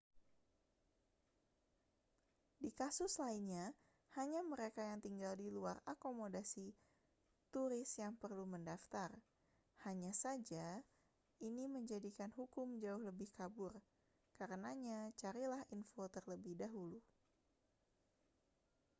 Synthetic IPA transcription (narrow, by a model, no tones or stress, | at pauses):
dikasʊslainɲa | haɲaməɾekajaŋt̪iŋɡaldiluarakomodasi | t̪uɾɪsjaŋpərluməndaft̪ar | haɲasad͡ʒa | ʔiniməɲd͡ʒadikanɦukʊmd͡ʒaʊhləbɪhkabʊr | kaɾənaɲat͡ʃaɾilahinfot̪ərləbɪhdaɦulu